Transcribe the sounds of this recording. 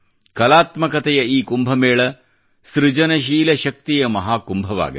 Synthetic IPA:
kɐlaːt̪mɐkɐt̪ɛjɐiːkumbʱɐmeːɭɐ | sɾɪd͡ʒɐnɐʃ̬iːlɐʃɐk̚t̪ijɐmɐɦaːkumbʱɐʋa̰ːɡḭ

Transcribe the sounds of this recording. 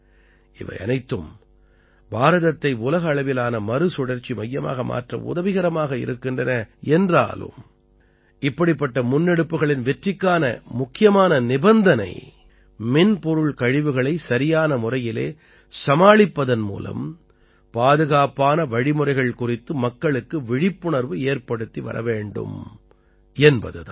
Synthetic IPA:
ɪʋɐ̰ɪɐ̰nɐɪt̪ːɯm | baːɾɐðɐt̪ːɐɪʊlɐɣɐːɭɐʋɪlaːnɐmɐɾɯsʊɽɐɾt͡ʃːimɐjːɐma̰ːɣɐma̰ːʈrɐ̰ʊ̰ðɐʋɪɣɐɾɐmaːɣɐɪ̰ɾɯkːɪndrɐnɐɛndra̰ːlɯ̰m | ɪpːɐɽɪpːɐʈːɐmʊnːɛɽɯpːɯɣɐɭɪnʋɛʈrɪkːaːnɐ̰mʊkːɪjɐmaːnɐnɪbɐnd̪ɐnɐ̰ɪ | mɪnpɔɾɯɭkɐɻɪʋɯɣɐɭɐɪsɐɾɪjaːnɐmʊrɐjɪlḛː | sɐmaːɭɪpːɐðɐnmṵːlɐ̰m | paːðɯɣaːpaːnɐʋɐɻɪmʊrɐɪɣɐɭkʊrɪt̪ːɯmɐkːɐɭɯkːɯʋɪɻɪpːʊɳɐɾʋɯeːɾpɐɽɯt̪ːiʋɐ̰ɾɐ̰ʋeːɳɖɯ̰m | ɛnbɐ̰ðɯt̪a

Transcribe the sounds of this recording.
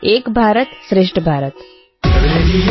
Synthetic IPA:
eːkbʱaːɾət̪sɾeʂʈəbʱaːɾət̪

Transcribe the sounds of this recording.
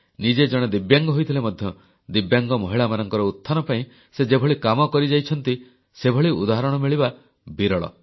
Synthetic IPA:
nid͡ʒed͡ʒɔɽ̃ed̪ibjaŋɡɔɦojt̪ʰilemɔd̪ʱjɔ | d̪ibjaŋɡɔmɔɦiɭamanɔŋkɔɾɔut̪ʰːanɔpaĩ | sed͡ʒebʱɔɭikamɔkɔɾid͡ʒajt͡ʃʰɔn̪t̪i | sebʱɔɭiṵd̪aɦaɾɔɽ̃ɔmiɭiba | biɾɔɭɔ̰

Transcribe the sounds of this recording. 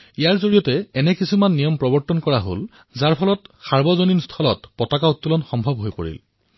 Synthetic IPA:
ijaɹzoɹijɔtɛɛnɛkisumanːijɔmpɹɔbɔɹtɔnkɔɹaɦo̰l | zaɹpʰɔlɔtsaɹbɔzoninstʰɔlɔ̰tpɔtakaut̪ːulɔnxɔmbʱɔbɦojpo̰ɹḭl

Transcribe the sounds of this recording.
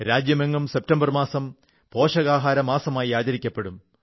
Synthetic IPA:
ɾaːd͡ʑjɐmeŋːɐmsep̚tɐmbɐrmaːsɐm | po̞ːʂɐɣaːɦaːɾɐmaːsɐmaːjiaːd͡ʑɐɾikʲːɐpːe̞ɽum

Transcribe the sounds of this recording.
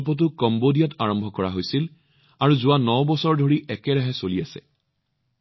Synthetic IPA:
p̬ɔt̬ʊkɔmbodijataɹɔmbʱɔkɔɹaɦojsil | aɹuzʊwanɔbɔsɔɹdʱoɹiʔɛkɛɹaɦɛsoliasɛ̰

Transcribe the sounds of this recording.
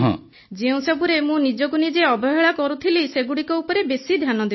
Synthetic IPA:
ɦɔ̰̃ | d͡ʒeũsebuɾemũnid͡ʒɔɡunid͡ʒeɔbɔɦeɭakɔɾut̪ʰiliseɡuɽikɔupɔɾebesid̪ʱjanɔd̪e

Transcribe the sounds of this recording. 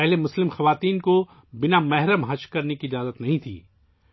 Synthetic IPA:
pɛɦlemʊslɪmxɐʋaːt̪iːnko | bɪnamɛɦɾəmɦɐʃkɐɾnekiɪd͡ʒaːzət̪nɐɦĩt̪ʰḭː

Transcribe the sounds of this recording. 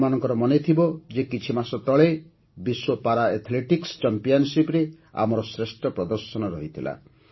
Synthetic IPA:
manɔŋkɔɾɔmɔnet̪ʰibɔd͡ʒekit͡ʃʰimasɔt̪ɔɭe | biswopaɾaet̪ʰleʈikst͡ʃampijɔnsipɾe | a̰mɔɾɔsɾesʈɔpɾɔd̪ɔɾsɔnɔɾɔɦit̪ʰila̰

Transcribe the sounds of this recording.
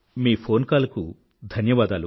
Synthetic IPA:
miːpʰo̞ːnkaːlɐku | d̪ʱɐnjɐʋaːd̪aːlu

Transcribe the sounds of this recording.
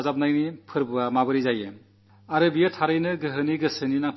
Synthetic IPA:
zap̚najnipʰɯɾbɯamabɯɾizajɯ | aɾɯbijɯtʰaɾɯjnɯɡɯɦɯniɡɯsɯninatʰ

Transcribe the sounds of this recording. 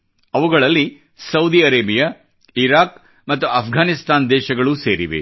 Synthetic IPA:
ɐʋuɡɐɭɐlːi | sɐwd̪iɐɾeːbijɐ | iɾaːk | mɐt̪ːuɐpʰɡʱaːnist̪aːnd̪ɛːʃɐɡɐɭuseːɾiʋḛ

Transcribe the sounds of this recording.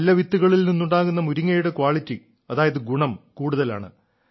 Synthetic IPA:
lːɐʋit̪ːuɣɐɭilninːuɳɖaːɣunːɐmuɾiŋːɐjuɽekwaːɭitːi | ɐðaːjɐðɨɡuɳɐmkuːɽuðɐla̰ːɳɨ̰

